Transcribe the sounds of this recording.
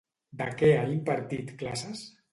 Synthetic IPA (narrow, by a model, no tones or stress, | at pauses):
d̪akɛaimpaɾt̪it̪klasas